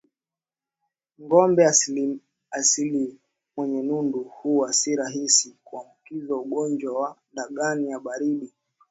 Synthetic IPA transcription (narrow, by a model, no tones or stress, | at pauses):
ŋɡɔmbɛ | asili | mwɛɲɛnunduhuwasiɾaɦisikuambukizauɠɔnd͡ʒwawaɗaɠanijaɓaɾiɗi